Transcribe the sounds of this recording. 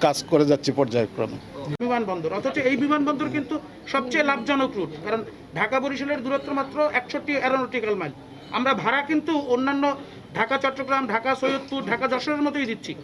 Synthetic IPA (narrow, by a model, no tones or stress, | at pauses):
kad͡ʑkoɾed͡ʑatːɕʰipɔɾd͡ʑaekɾo̰mbimanbɔnd̪oɾɔt̪ʰot͡ɕeejbimanbɔnd̪oɾkint̪u | ʃɔb̚t͡ɕejlab̚d͡ʑɔnokɾuʈkaɾon | ɖʱakaboɾiʃoleɾd̪uɾot̪ːɾomat̪ːɾoʔɛkʃoʈiɛɾonoʈikalmal | a̰mɾabʱaɾakint̪uonːanːo | ɖʱakat͡ɕɔʈːoɡɾamɖʱakasojot̪̚puɾɖʱakad͡ʑɔʃoɾeɾmɔt̪ojd̪it̪ːɕʰi